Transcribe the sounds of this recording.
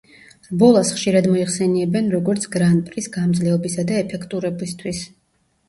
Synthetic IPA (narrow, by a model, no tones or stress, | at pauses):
ɾbɔlˠasχʃiɾad̪mɔiχsɛniɛbɛnɾɔɡɔɾt̪sʰɡɾanpʼɾisɡamd̪zlɛɔbisad̪aɛpʰɛkʰt̪ʼuɾɛbist̪ʰwis